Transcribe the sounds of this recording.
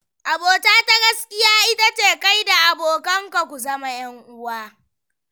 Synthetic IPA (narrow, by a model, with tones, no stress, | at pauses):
ʔa˨boː˨taː˦ta˦ɡɐ˦skʲɪ˦jaː˦ʔɪ˦ta˦t͡ʃeː˨ka˦jda˨ʔa˨boː˨kɐ˦ŋka˨kʷu˨zɐ˦ma˦j̰ɐ˦ŋʔʊ˦waː˦